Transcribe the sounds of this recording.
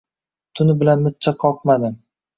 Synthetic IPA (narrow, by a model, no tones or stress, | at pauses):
t̪ʰʊnɪbɪlanmɪt̪̚t͡ʃʰaqʰɒq̚mad̪ɪm